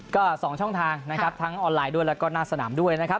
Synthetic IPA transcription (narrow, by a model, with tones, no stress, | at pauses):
kɔː˥˩sɔː˩˦ŋt͡ɕʰɔ˥˩ŋt̪ʰaː˧ŋna˦˥kʰɾa˦˥pt̪ʰa˦˥ŋʔɔː˧nlaː˧jdu˥˩əjlɛː˦˥wkɔː˥˩naː˥˩sa˧na̰ː˩˦mdu˥˩əjna˦˥kʰa˦˥p̚